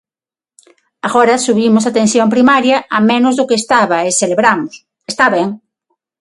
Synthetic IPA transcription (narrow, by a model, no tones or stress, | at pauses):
aɣoɾasuβimosat̪ẽnθjompɾimaɾjaamẽnozðokeːst̪aβaeseleβɾamos | est̪aβeŋ